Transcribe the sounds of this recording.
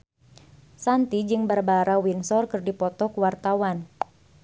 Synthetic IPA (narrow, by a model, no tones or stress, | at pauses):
sant̪id͡ʒɨŋbərbaɾawinsɔrkɨrdipɔt̪ɔkuwart̪awan